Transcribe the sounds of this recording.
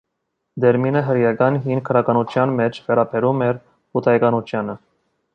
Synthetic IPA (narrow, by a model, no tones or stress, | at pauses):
d̪ɛɾminəɦəɾjɑɡɑnɦin̚kʰəɾɑɡɑnut͡ʃ̪ʰjɑnmɛt͡ʃʰvɛɾɑbɛɾumɛɾ | hut̪ʰɑjɡɑnut͡ʃ̪ʰjɑnə